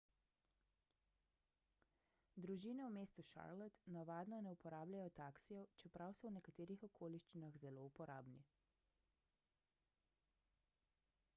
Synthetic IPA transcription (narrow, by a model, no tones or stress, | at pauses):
d̪ɾuʒiːnɛwmeːst̪uʃa̰ɾlɛt̪naʋaːd̪nɔnɛupɔɾaːblʲajɔt̪aksijɔt͡ʃɛpɾawsɔwnɛkat̪eːɾixɔkʰoːliʃt͡ʃinaɣzɛloupɔɾʔaːbni